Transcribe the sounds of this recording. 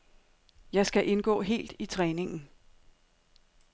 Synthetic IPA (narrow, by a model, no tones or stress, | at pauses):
jɑ̈ɪsɡ̥æʔe̝nɡ̥ɔ̰̽ːɦe̝̰ːld̥it͡sʰʁɛːne̝ŋn̩